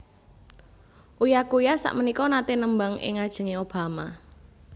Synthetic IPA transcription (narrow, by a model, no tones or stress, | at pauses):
ʔujakujasa̰ʔmənikɔnat̪enəmbaŋɪ̰ŋad̥ʒ̥ə̤ŋeob̥a̤ma